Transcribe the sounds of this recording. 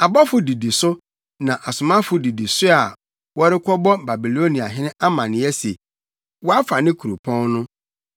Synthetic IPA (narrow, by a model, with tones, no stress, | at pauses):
a˨bɔ˦fʊ˨di˨di˨sʊ˦ | nã˨ʔa˨sʊ˨mã˦fʊ˨di˨di˨sʊ˦a˨ | wɔ˦ɾɪ˦kʰʷɔ˦bɔ˦ba˨bi˨lo˦nĩ˨a˨ɦɪ̃˦nɪ̃˦ʔa˦mã˨nɪ̃˨ɛ˦se˨ | wɔ˦a˦fa˨nɪ̃˦kʰu˨ɾu˨pʰɔ̃˦nnʊ̃˦